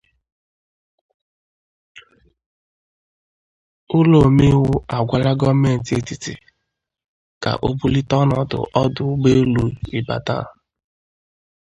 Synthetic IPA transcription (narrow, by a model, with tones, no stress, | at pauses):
ʊ˦lo˨mi˦wʊ˦ʔa˨ɡʷa˨la˦ɡɔ˦me˦n̩˨te˨˦˨ti˨ti˨ | ka̰˨ʔo˦bu˦li˦tɔ˦nɔ˨dʊ̰˨ʔɔ˦dʊ˨˦ɡ͡be˦lu˨i˨ba̰˨ta̰˦˨